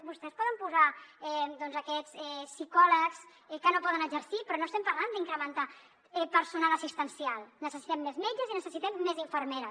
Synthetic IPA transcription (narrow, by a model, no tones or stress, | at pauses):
bust̪ɛspɔðəmpuzaɛd̪ɔnzəkɛt͡sɛsːikɔləks | ɛkənopɔðənəzəɾsipɾɔnoəst̪ɛmpaɾland̪iŋkɾəmənt̪a | ɛpəɾsunaləsist̪ənsialˠnəsəsit̪ɛmːezmɛd͡ʒəzinəsəsit̪ɛmːeziɱfəɾmeɾə